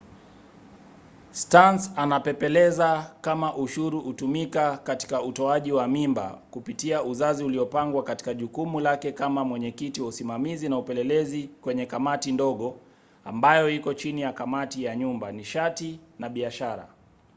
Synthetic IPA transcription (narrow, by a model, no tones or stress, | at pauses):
stansanapɛpɛlɛzakamaʔuʃuɾuʔutumikakati̥kautɔaʄiwamimba̰kupitiauzaziuliɔpaŋɡwakati̥kaʄukumulakɛkamamwɛɲɛkitiwausimamizinaupɛlɛlɛzikwɛɲɛkamatindɔɠɔ | a̰mbajɔikɔt͡ʃinijakamatijaɲumbaniʃatinaɓiaʃaɾa̰